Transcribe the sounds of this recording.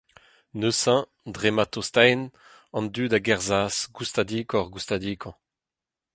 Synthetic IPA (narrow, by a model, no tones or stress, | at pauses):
nøsɛ̃ | dʁemat̪ost̪ajn | ɑ̃nd̪yːdaɡɛʁzaːsɡust̪ad̪iːkɔʁɡust̪ad̪iːkʰɑ̃